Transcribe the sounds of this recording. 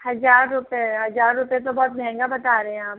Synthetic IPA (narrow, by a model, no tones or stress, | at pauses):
hɐzaːɾːʊpeɦɐzaːɾːʊpẽt̪̬obɔɦːt̪̚bʱɛ̃ŋɡabɐt̪aːɾeɦɛ̃aːp